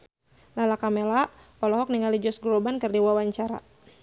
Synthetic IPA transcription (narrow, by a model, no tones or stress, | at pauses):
lalakamelapɔlɔɦɔk̚niŋalid͡ʒɔsɡɾɔbankɨrdiwawaɲt͡ʃaɾa̰